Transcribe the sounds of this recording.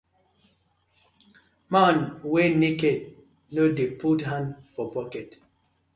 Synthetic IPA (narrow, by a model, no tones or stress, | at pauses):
manweniked̚ | nodeputɦãndpɔpɔkɛt